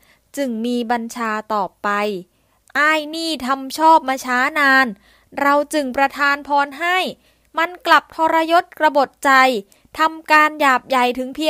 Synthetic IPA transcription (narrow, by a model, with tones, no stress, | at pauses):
t͡ɕɯ˨˧˩ŋmiː˧ba˧nt͡ɕʰaː˧t̪ɔː˨˩pa˧j | ʔaː˥˩jniː˥˩t̪ʰa˧mt͡ɕʰɔː˥˩p̚maː˧t͡ɕʰaː˦˥naː˧n | ɾa˧wt͡ɕɯ˨˩ŋpɾa˧t̪ʰaː˧npʰɔː˧nɦa˥˩j | ma˧nkla˨˩p̚t̪ʰɔː˧ɾa˧jo˦˥t̪̚kɾa˧bo˨˩t̪̚t͡ɕa˧j | t̪ʰa˧mkaː˧njaː˨˩p̚ja˨˩jt̪ʰɯ˩˦ŋpʰi˧˥